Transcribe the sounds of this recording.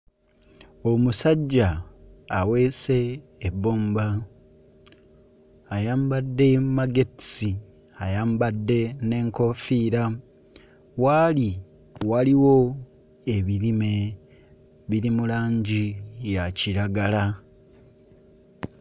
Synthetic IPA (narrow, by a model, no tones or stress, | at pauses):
o̞musaɟːaː | we̞ːse̞ːbːoːmba | jaːmbadːe̞mmaɡe̞ti̥si | ajaːmbadːe̞ne̞ːŋko̞fiːɾa | wali | waliwo̞ | e̞βiɾime̞ | βiɾimulaːɲɟijaciɾaɡala